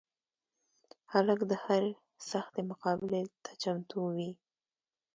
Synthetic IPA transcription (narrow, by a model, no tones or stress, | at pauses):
haləkd̪əhaɾ | saxt̪emʊqɑbɪlet̪ʰḁt͡ʃamt̪uwi